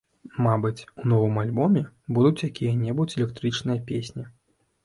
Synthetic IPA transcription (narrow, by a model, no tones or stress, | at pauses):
mabɨt͡sʲunɔvɨmalʲbɔmʲɛbud̪ut͡sʲjakʲijɐnʲɛbut͡sʲɛlʲɛkt̪ɾɨt͡ʂnɨjɐpʲesʲnʲi